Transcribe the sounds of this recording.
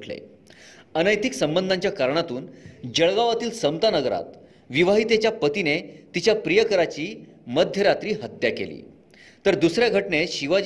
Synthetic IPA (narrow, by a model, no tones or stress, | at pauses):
ʈʰlḛ | ənəjt̪iksəmbənd̪ʱaɲt͡ɕjakaɾɳ̃at̪uːnd͡ʑəɭɡaʋat̪iːlsəmt̪anəɡɾa̰t̪ | ʋiʋaɦiːt̪et͡ɕjapət̪inet̪it͡ɕjapɾijəkəɾat͡ɕiː | məd̪ʱjəɾat̪ɾiːɦət̪jakḛlḭː | t̪əɾd̪usɾjaɡʱəʈɳeɕiʋa